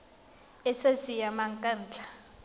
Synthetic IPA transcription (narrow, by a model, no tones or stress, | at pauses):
ɛsezijamaŋkʼand͡ɮʱḁ